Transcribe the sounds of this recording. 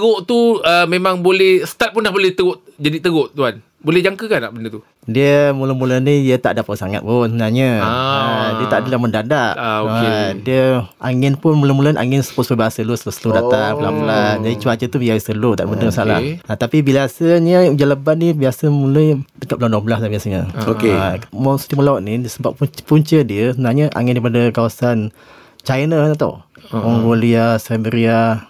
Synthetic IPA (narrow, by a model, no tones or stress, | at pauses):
ɣʊʔt̪uəmemaŋbolɛhsə̥t̪at̪̚pʊndahbolɛht̪əɣʊʔd͡ʒadit̪əɣʊʔt̪uan | bolɛhd͡ʒaŋkəkanaʔbənət̪u | diəmuləmulənijət̪a̰ʔdapəsaŋa̰t̪̚pʊsəbənaɲəaadiəaʔdəlahməndadaʔokaediəa̰ŋɪnpʊnmuləmulənʔa̰ŋɪnsə̥pʊt̪səwəbaasəlusələsəludat̪aŋbəla̰bulad͡ʒadit͡ʃuad͡ʒət̪ubiaisəlut̪aʔdbənəmsala̰hat̪apibilasəɲəd͡ʒalabannibiasəmuləjdəkat̚lawnɔblahdabiasəɲəokemɔst̪iməlaʊʔ̪̚nidiəsəbappuɲt͡ʃədiəsəbənaɲəʔa̰ŋɪndaɾipadəkawasan | t͡ʃajnəɲat̪ṵ | mɔŋɡoliasajbəɾia